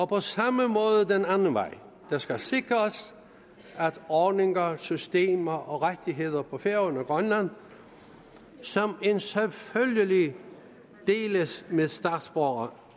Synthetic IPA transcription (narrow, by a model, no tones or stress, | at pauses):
ɒ̽pʰɒ̽sɑ̈məmɔ̽ːðˠəd̥enænn̩ʋɑ̈ɪ̰ | d̥ɑ̈sɡ̥æse̝ɡ̥ʁɐs | ʔæd̥ɒːd̥ne̝ŋɐsysd̥e̝̰ːmɐʔɒ̽ʁḁd̥iɦe̝ð̞̰ˠɐpʰɒ̽feɐ̰ɔnɐɡ̥ʁɶnlæn̰ | sɒ̽me̝nselføljəli | d̥e̝̰ːləsmeðˠsd̥ɑ̈ːd̥sb̥ɒːɐ